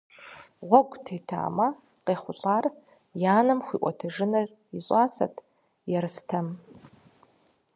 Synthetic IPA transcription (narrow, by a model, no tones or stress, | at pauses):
ʁʷɔɡʷʼtʰeːtʰa̰ːmɐ | qeːχʷʊɬʼaːr | jaːnɨmxʷḭːʔʷʼɔtʰɐʒɨnɐr | iɕʼaːsɐ̰tʰ | jɛɾɨstʰɐm